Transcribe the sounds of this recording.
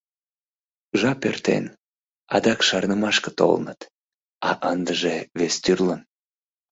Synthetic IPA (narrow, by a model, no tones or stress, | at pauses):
ʒɑpø̰rt̪ḛn | ɑd̪ɑkʃɑrnəmɑʃkət̪o̰lnət̪ | ɑʔənd̪əʒeβest̪yrlən